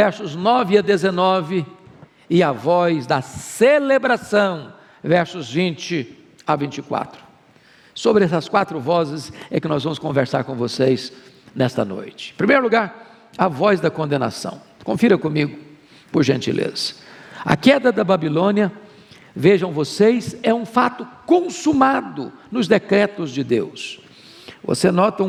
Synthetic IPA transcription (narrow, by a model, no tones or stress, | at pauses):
vɛɾsʊznɔvɪɐd̪ezenɔvɪ | ɪɐvɔzd̪ɐselebɾasɐ̃w̃ | vɛɾsʊzvĩnt͡ʃɪ | avĩnt͡ʃɪkwa̰t̪ɾʊ̥ | sobɾɪɛsɐskwat̪ɾʊvɔzɪsɛkɪnɔzvɐ̃mʊskõveɾsa̰ɾkõvosejz | nɛst̪ɐ̰no̰jt͡ʃɪ̥̃pɾimejɾʊluɡaɾ | ɐvɔzd̪ɐkõnd̪ena̰sɐ̰̃w̃ | kõfiɾɐkõmiɡʊ | pʊɾʒẽnt͡ʃḭlʔḛzɐ̥ɐ̰kɛd̪ɐd̪ɐbabilõniɐ | veʒɐ̃w̃vosejzɛũfat̪ʊkõsumad̪ʊnʊzd̪ekɾɛt̪ʊzd͡ʒɪd̪ews | vo̰senɔt̪ɐ̃